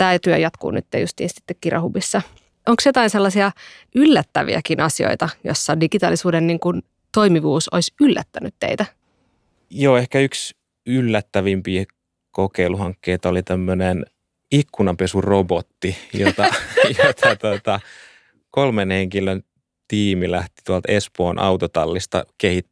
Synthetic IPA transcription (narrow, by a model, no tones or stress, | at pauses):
t̪æːt̪yø̰jɑt̪kṵːny̰t̪ːḛjust̪ḭːnsi̥t̪ːekkirɑ̰hubisːɑ | ʔoŋksjot̪ɑinselːɑsiɑ | ylːæt̪ːæʋḭæ̰kinʔɑsio̰it̪ɑjo̰sːɑdiɡ̥it̪ɑ̰ːlisuːdenniŋkun | t̪oimiʋuːsoisylːæ̰t̪ːænyt̪tḛit̪æ | joːehkæyks | ylːæt̪ːæʋimpiː | kokeiluhɑŋkːeit̪ɑolit̪æmːønen | ikːunɑmpesurobot̪ːijo̰t̪ɑjot̪ʰɑt̪ot̪ɑ | kolmenheŋkiløn | t̪iːmilæht̪i̥t̪uɑlt̪espoːnʔɑ̰ut̪ot̪ɑlːist̪ɑ̰kehit̪ː